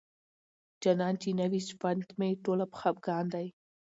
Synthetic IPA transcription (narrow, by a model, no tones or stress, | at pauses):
d͡ʒanɑnt͡ʃinawisfant̪meʈolapxab̚ɡɑnd̪aj